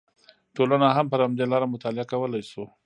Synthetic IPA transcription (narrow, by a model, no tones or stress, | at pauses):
ʈolanaɦampəɾhamd̪elɑɾamʊt̪ɑlɪakawəlajso